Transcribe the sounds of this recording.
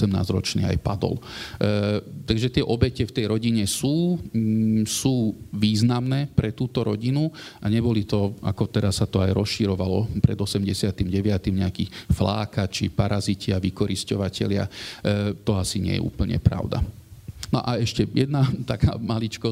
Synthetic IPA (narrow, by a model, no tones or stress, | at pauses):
ɛmna̰ːzɾɔt͡ʃniːa̰jpad̪ɔ̰l | t̪aɡʒɛt̪ɪɛʔɔbɛcɛft̪ɛjɾɔɟiɲɛsuː | suːʋiːznamnɛːpɾɛt̪uːt̪ɔɾɔɟinuaɲɛbɔlit̪ɔa̰kɔt̪ɛɾasːat̪ɔajɾɔsʃiɾɔʋalɔpɾʔɛ̰d̪ɔsɛmɟɛsɪat̪imɟɛʋɪat̪imɲɛakifla̰ːkat͡ʃipaɾʔazicɪaʋikɔɾiscɔʋacɛ̰lɪa̰ | t̪ɔasiɲɪɛ̰jɛ̰ʔṵːpl̩ɲɛ̰pɾa̰ʊd̪a̰nɔʔaɛʃcɛjɛd̪nat̪akʰa̰ːmalit͡ʃkɔ